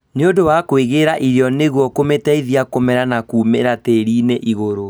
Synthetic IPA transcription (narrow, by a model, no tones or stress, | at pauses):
neodowakweɣeɾaʔiɾeɔneɣwɔkometɛiðiakomɛɾanakuːmeɾateɾiːneʔiɣoɾo